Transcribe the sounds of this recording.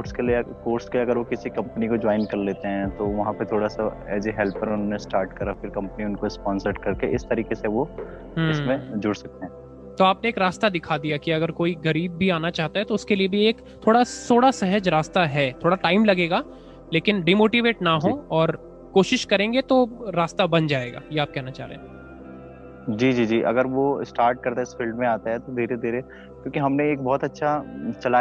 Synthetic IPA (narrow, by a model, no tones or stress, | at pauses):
koːɾʈskelieɐkoːɾskeɐɡəɾʋokɪsikɐ̃mpənikod͡ʒɔːɪnkɐɾleːt̪eɦɛ̃t̪oʋɐɦãpet̪ʰoːɽasaɛ̰ːziɦɛlpəɾʊnɦõnesʈaːɾʈkɐɾafɪɾkɐ̃mpəniʊnkoɪspɔ̃ːnsəɾʈ̚kɐɾkeʔɪst̪ɐɾiːkeseʋo | ɦɪsmẽd͡ʒʊɽsɐk̚t̪eɦɛ̃ː | t̪oaːpneːkɾaːst̪ad̪ɪkʰad̪ijakiɐɡəɾkoːiɡɐɾiːb̚ːʱiaːnat͡ʃaːɦt̪aɦɛt̪oʊskeliebʱieːk | t̪ʰːoːɽasoːɽasɛɦəd͡ʒɾaːst̪aɦɛːt̪ʰoːɽaʈaːɪmlɐɡeːɡaː | leːkɪnɖiːmoːʈiʋeːʈnaɦoɔːɾ | koːʃɪʃkɐɾẽːŋɡet̪oɾaːst̪abɐnd͡ʒaːeːɡa̰ːjeaːp̚kɛɦnat͡ʃa̰ːɦɾḛ̃ːɦ | d͡ʒiːd͡ʒiːd͡ʒiːʔɐ̰ɡəɾʋosʈaːɾʈ̚kɐɾt̪aɪsfiːlɖmẽaːt̪aɦɛt̪od̪ʱiːɾed̪ʱiːɾe | kjõːkiɦɐmneeːk̚bɔːt̪ɐtːʃʰat͡ʃɐlaː